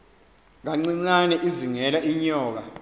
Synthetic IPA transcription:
ŋaŋ͡ǀiŋ͡ǀanɛʔiziŋɛlaʔiɲɔːk̬a̰

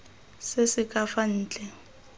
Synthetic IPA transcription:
sesɪkʼafan̩ːt͡ɬʼɛ

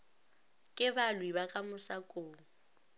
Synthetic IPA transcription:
kʼɪbalwibakʼamʊsakʼoːŋ̩

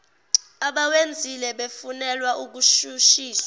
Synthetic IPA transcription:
aɓawend͡zʱilɛɓefunɛlwaʔuk̬uʃuʃiːsa

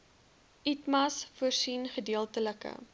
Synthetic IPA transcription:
itmɐsfuərsinχədiəlˠtələkə̰

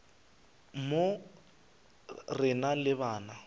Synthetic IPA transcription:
mo | rɪnalɪβaːna

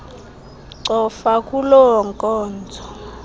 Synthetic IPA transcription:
ǀɔfakʼulɔɔŋkʼɔːnd͡zʱɔ

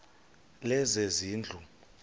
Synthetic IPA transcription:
lɛzeziːnd͡ɮʱu

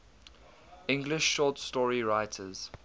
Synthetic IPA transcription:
ɪ̃ŋɡlɪʃːɔˑtstɔɹiɹaɪtʰəz̥

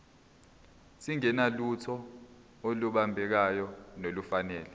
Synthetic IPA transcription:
siŋɛnalutʰɔ | oluɓambʱɛk̬ajɔnolufanɛːlɛ

